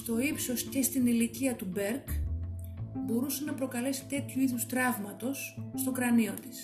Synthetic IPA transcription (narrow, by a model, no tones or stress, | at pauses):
st̪o̞ipso̞sce̞st̪iniliciɐt̪ube̞ɾk | bo̞ɾusenɐpɾo̞kɐle̞si̥t̪e̞t̪çuiðust̪ɾɐvmɐt̪o̞sːt̪o̞kɾɐnio̞t̪i̥s